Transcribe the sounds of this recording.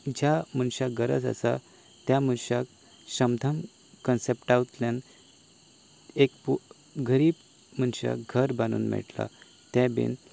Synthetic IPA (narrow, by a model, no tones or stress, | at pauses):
d͡ʑamənɕaɡəɾəd͡zə̰sa | t̪jam̤ənɕak | ɕəmd̪ʱəm | kənsepʈawt̪ljan | ek̚pu | ɡʱəɾiːb | m̤ənɕa̰ɡʱəɾbanṵːnmɛ̰ʈla̰ | t̪ãbḭn